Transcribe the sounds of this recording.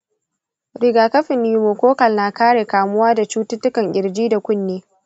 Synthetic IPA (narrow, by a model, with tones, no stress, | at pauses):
ɽɪ˨ɡaː˨kɐ˦ɸɪ˨nːiː˨moː˨kʷoː˦kɐ˨lnaː˨kaː˦ɽeː˨kaː˨mʊ˦waː˦da˨t͡ʃuː˦tʊ˦tːʊ˦kɐ˨ŋʔʲɪ˨ɾd͡ʒiː˦da˨kʷʊ˦nːeː˦